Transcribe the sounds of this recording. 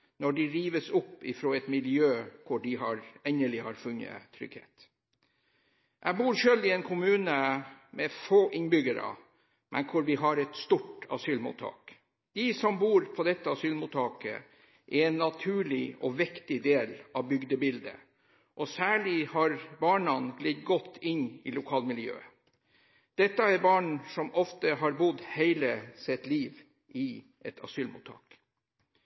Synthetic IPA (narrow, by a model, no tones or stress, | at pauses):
nɔɖɪɾiːʋəsɔpːɪfɾoːɛt̪mɪljøːkʰʊɖɪɦɑɾɛnəlɪhɑɾfʉnːə̰t̪ʰɾʏ̰ɡhḛːt̪ | ʔɛɡbuːɾʃøːld̪ɪɛnkʰʊmʉːnəmɛfoːʔɪŋbʏɡəɾə̰ | mʔɛ̰nkʰʊɾʋɪɦɑɾɛt̪st̪uʈɑ̰syːlmṵːt̪ʰɑ̰ːk | d̪̥ɪsɔmbuːɾpʰɔd̪ɛt̪ːəɑsyːlmut̪ʰːɑːkə̰ | ʔɛɾɛːnːɑt̪ʰʉːɭɪɔʋɪkt̪ɪd̪eːlɑʋbʏɡd̪əbɪld̪ə̰ | ʔɔsæːɭɪhɑɾbɑːɳɑnɡlɛd̪ɡɔt̪ːɪnːɪlʊkʰɑːlmɪljø̰ːə | d̪̥ɛt̪ːəɛɾbɑːɳsɔmɔft̪əɦɑɾbʊd̪heɪləsɛt̪liːʋ | ʔɪ | ʔɛt̪ʰɑ̰syːlmṵːt̪ʰɑ̰ːk